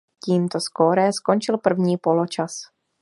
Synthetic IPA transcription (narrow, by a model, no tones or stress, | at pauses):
ciːmt̪o̞skoɾɛskont͡ʃɪlpr̩vɲiːpo̞lo̞t͡ʃas